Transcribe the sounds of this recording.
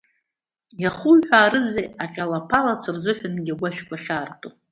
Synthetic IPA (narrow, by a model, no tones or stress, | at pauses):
jaχujħʷᶣaːɾɨzejaqʲʼalapʰalat͡sʷʰɨrzʷɨħʷᶣanɡʲaɡʷaʃᶣkʷaχʲaːrtʼo